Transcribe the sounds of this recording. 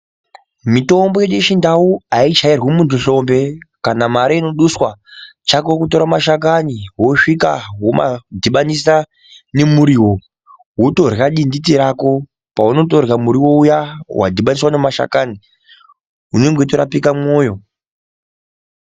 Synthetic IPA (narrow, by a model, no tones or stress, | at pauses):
mito̞mbojeɗujeʃindauait͡ʃairwimuntuɬo̞mbe̞kanamaɾaino̞ɗuswa | t͡ʃakokuto̞ɾamaʃak̬aniwo̞ʂika̰woma̰dʱiɓanisa | ne̞muɾiːwo̞ | woto̞rjaɗinditiɾako̞ | pauno̞to̞rjamuɾiwo̞ujawa̰dʱiɓaniswanemaʃa̰kani | ɦuneŋɡetoɾa̰pikamoːjo̞